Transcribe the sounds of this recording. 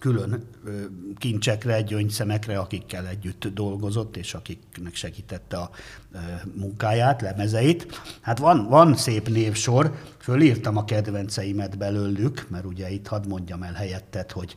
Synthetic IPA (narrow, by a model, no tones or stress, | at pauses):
kylø̞nː | kint͡ʃɛkrɛɟøɲsɛmɛkrɛɒkikːɛlɛɟːyt̪ːd̪o̞lɡo̞zo̞t̪ːeːʃɒkiknɛkʃɛɡiːt̪ɛt̪ːɛɒ | muŋkaːjaːt̪lɛmɛzɛit̪hat̪ʋɒnvɒnseːpneːfʃo̞rføliːrt̪ɒmɒkɛd̪ʋɛnt̪sɛjimɛd̪bɛløːlːykmɛɾuɟɛit̪hɒd̪mo̞ɲɟɒmɛlɦɛjɛt̪ːɛt̪ho̞ɟ